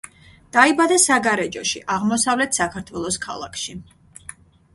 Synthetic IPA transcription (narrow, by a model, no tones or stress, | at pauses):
d̪̥aibad̪asaɡaɾɛd͡ʒɔʃḭʔaʁmɔsavlɛt̪ʰsakʰaɾt̪ʰwɛlˠɔskʰa̰lˠa̰kʰʃi